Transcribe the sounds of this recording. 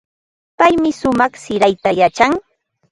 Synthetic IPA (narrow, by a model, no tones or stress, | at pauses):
pajmɪsʊmɑχsɪɾajt̪ajat͡ʃaŋ